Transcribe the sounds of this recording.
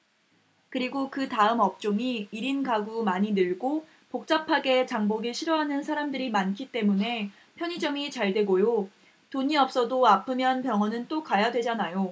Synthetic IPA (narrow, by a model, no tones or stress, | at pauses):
kɯɾiɡokɯtaɯmʌp̚t͡ɕ͈oŋiiɾinɡaɡumaɲinɯɭɡo | pok̚t͡ɕ͈apʰaɡe̞t͡ɕaŋboɡiɭɕʰiɾʌɦanɯnsʰaɾamdɯɾimankʰit͈e̞mune̞ | pʰjʌɲid͡ʑʌŋit͡ɕaɭdwe̞ɡojo | toɲiʌp̚s͈ʌdoapʰɯmjʌnpjʌŋɦʌnɯnt͈okajadwe̞d͡ʑanajo